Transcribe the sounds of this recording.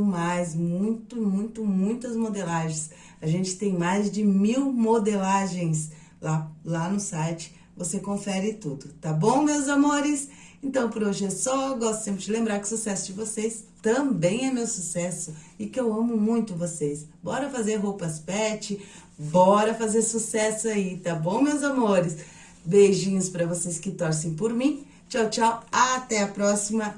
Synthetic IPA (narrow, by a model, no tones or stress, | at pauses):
majzmũj̃t̪ʊmũj̃t̪ʊmũj̃t̪ɐzmod̪elaʒẽj̃s | aʒẽnt͡ʃɪ̥t̪ẽj̃majzd͡ʒɪmiwmod̪elaʒẽj̃s | lalanʊsajt͡ʃɪ̥ | vosekõfɛɾɪt̪ud̪ʊt̪abõw̃mewzamoɾɪsẽnt̪ɐ̃w̃pʊɾoʒɪesɔɡɔst̪ʊ̥sẽpɾɪd͡ʒɪlẽmbɾaɾkɪʊsusɛsʊd͡ʒɪvosest̪ɐ̃bẽj̃ɛmewsusɛsʊɪkɪewɐ̃mʊmũj̃t̪ʊvosesbɔɾɐfazeɾɦowpɐspɛt͡ʃɪ | bɔɾɐfazeɾsusɛsʊait̪abõw̃mewzamoɾɪs | beʒĩɲʊspaɾɐvoseskɪt̪ɔɾs̬ẽj̃p̬oɾmĩ | t͡ʃawt͡ʃawat̪ɛɐpɾɔsimɐ